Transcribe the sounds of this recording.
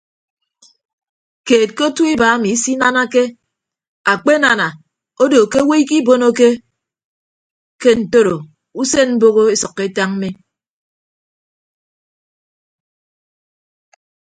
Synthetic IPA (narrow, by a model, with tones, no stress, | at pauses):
keː˨t̚ko˦tu˦i˦ba˨˦mi˨˦si˦na˦na˦ke˦ | a˨k͡pe˦na˨na˨ | o˦do˨ke˦we˦i˦ki˦bo˦no˦ke˦ | ke˦n̩˨to˦ɾo˨ | u˦se˦m̩˦bo˦ɣo˦e˦sɔ˨kːe˦e˦ta˦ŋ̩˦me˦